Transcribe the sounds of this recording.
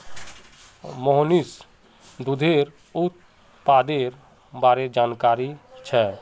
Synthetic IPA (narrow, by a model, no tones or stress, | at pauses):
mɔɦnis | d̪ud̪ʱeɾ | ut̪ | pad̪eɾ | baɾed͡ʒankaɾit͡ʃʰɛ